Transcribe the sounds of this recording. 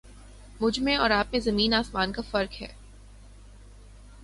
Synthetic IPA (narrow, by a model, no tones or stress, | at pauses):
mʊd͡ʒʱmẽɔːɾaːp̚mẽzɐmiːnaːsmaːnkafɐɾkɦɛ̰ː